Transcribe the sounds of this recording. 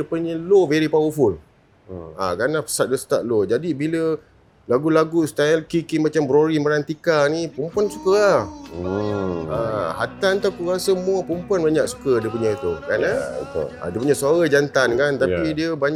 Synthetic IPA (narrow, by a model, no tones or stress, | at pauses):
əpuɲəloveɾipawəful | a̰kanahpə̥sat̪̚dəst̪aʔ̪̚lod͡ʒadibilə | laɡulaɡust̪aɛlkikimat͡ʃambɾoɾiməɾant̪ikanĩpumpuansu̥kəla | aɦat̪ant̪akuɣasəmuəpumpuanbaɲak̚su̥kədiəpuɲəit̪ukana̰a̰diəpuɲəsaɾad͡ʒant̪ankant̪apidiəbaɲ